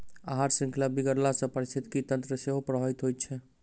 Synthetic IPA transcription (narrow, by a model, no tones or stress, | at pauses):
a̰ɦaɾsĩŋkʰilabiɡəɾlasə̃pəɾist̪ʰit̪kit̪ənt̪ɾəseɦopɾəɦɔit̪ɦojt̚t͡ʃʰɛ